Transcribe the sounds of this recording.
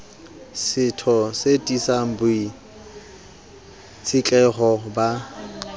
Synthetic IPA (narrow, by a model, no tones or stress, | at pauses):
sɪtʰɔsetʼisaŋ̩bʊi | t͡sʰɪt͡ɬʼɛχɔba